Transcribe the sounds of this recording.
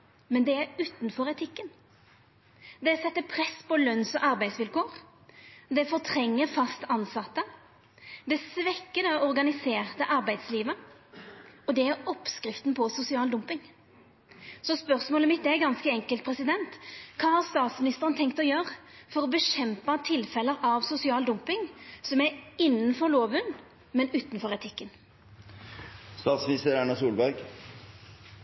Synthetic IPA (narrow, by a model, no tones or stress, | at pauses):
mɛnd̪ɛæɾʉːt̪nfɔɾɛt̪ʰɪkːən | d̪ɛsɛt̪ːəpʰɾɛspʰɔlœnsɔʔɑɾbæɪsʋɪlkʰoːɾ | d̪ɛfɔʁt̪ʰɾɛŋːəfɑst̪ɑnsɑt̪ːə | d̪ɛsʋɛkːəd̪ɛɔɾɡɑnɪseːʁt̪əʔɑɾbæɪd̪sliːʋə | ɔd̪ɛæɾɔpskɾɪft̪npʰɔsʊsɪɑːld̪ʊmpɪŋ | sɔspœʁsmoːləmɪt̪̚d̪ɛæɾɡɑnskəɛŋkəlt̪̚pʰɾɛsɪd̪ɛnt̪kʰɑːhɑʁst̪ɑːt̪smɪnɪst̪əʁənt̪ʰɛŋkt̪ɔjøːʁfɔɾɔbəɕɛmpɑt̪ʰɪlfɛləɾʔɑʋsʊsɪɑːld̪ʊmpɪŋsɔmæɾɪnːənfɔɾloːʋʉnː | mɛnʉːt̪nfɔɾɛt̪ʰɪkːən | st̪ɑːt̪smɪnɪst̪əɾæɳɑsuːlbæɾɡ